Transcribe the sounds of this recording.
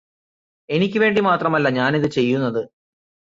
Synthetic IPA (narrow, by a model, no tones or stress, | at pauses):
e̞nikʲːɨʋe̞ːɳɖimaːt̪rɐmɐlːɐɲaːniðɨt͡ɕe̞jːunːɐðɨ